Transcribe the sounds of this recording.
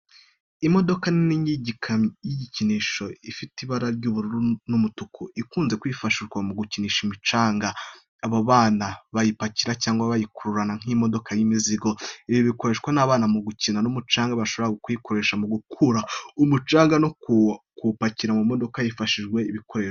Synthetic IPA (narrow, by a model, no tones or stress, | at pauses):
imo̞do̞kanniɲiɟikʰamjiɟiciniʃo̞ifitiβaɾaɾɟuːβuɾuɾunumutukʰuʔikuːnze̞kwiːfaʃiʒɡwamuɡuciniːʃimit͡ʃaːŋɡaː | βaβaːnaβajipaciɾacaːŋɡwaβajikuɾuɾanaŋ̥imo̞do̞kʰajimiziɡo̞iβjoβiko̞ɾe̞ʃɡwanaːβaːnamuɡucinanumut͡ʃaːŋɡaβaʃo̞βoɾaɡokujikʰo̞ɾe̞ːʃamuɡukʰuɾaumut͡ʃaːŋɡanok | kupaciɾamumo̞do̞kajifaʃiʒɡwe̞iβiko̞ɾeːʃo